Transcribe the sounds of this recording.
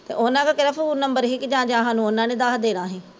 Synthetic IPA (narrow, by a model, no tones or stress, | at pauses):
t̪ḛːʔonãːkaːkɪɾaːfəuːnəmbəɾɦɪkd͡ʒãːd͡ʒaːɦaːnũːonãːneːd̪aːɦd̪eːɾãːɦɛ̃ː